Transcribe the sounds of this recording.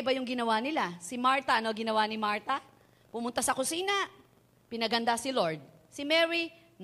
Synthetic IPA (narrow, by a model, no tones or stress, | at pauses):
bɐjʊŋɡɪnɐwanɪlasɪmaɹt̪ɐʔɐnoɐɡɪnɐwanɪmaɹt̪ɐ | pʊmʊnt̪asɐkʊsiːnɐ | pɪnɐɡɐnd̪asɪlo̞ɹd̪̚ | sɪmɛɹi